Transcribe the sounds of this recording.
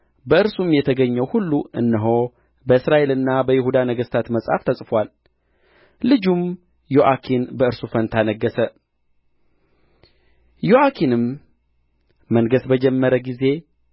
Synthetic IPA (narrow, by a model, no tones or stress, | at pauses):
bəɨɾsumjɛt̪ʰəɡəɲːɛwhulːuɨnːɨɦo̞ | bəɨsɾaʔe̞lɨnːabəjɪhud̪anəɡəst̪ʰat̪məsʼha̰ft̪ʰəsʼfwal | lɨd͡ʒum | joʔakʰinbəɨɾsufənt̪ʰanəɡːəsə | joʔakʰinɨm | əŋɡəsbəd͡ʒɛmːəɾəɡize̞